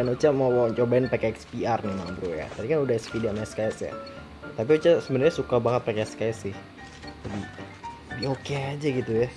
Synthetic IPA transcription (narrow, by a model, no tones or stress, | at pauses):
anot͡ʃamawɔɲt͡ʃobaɪnpakɛɛkspiarnimambɾuja̰t̪adikanudahɛkspidamaskajsja̰ | t̪ap̬iot͡ʃasəbənərɲasukabaŋət̪̚pakɛskasɪh | d͡ʒabi | biokead͡ʒaɡit̪uja